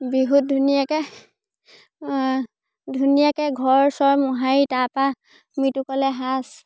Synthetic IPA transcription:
biɦut̚dʱunijakɛ | dʱunijakɛɡʱɔɹsɔɹmɔɦaitapa | mitukɔlɛɦas

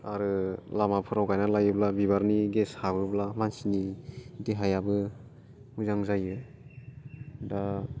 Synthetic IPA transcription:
aɾɯlamapʰɯɾawkajnalajɯblabiβaɾniɡeshabɯblamansinidiɦajabɯ | muzaŋzajɯ | da

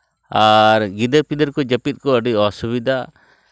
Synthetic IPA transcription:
aɾɡid̪əɾpid̪əɾkɔd͡ʒapit̪̚kɔaɖiɔsuβid̪a

